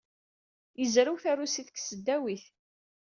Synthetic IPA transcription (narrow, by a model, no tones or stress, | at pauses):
jəzɾiwθærusiθə̥kːsəd̪ːæwiθ